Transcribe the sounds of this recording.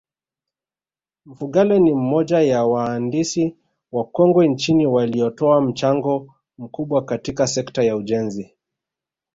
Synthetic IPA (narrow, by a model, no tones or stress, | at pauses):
m̩fuɠalɛnim̩mɔʄajawaːndisi | wakɔŋɡwɛnt͡ʃiniwaliɔtɔam̩t͡ʃaŋɡɔ | m̩kuɓwakatikasɛktajauʄɛnzi